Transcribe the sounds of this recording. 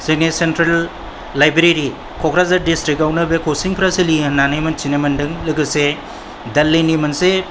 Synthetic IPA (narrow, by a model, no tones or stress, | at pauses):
sinesentɾelː | ajbɾeɾi | kʰɔkʰɾazaɾdistɾik̚awnɐbekʰosiŋpʰɾaselinanɯjmɐnt͡ʃinemɐndɯŋlɯɡɯse | dɐlːinimɐnse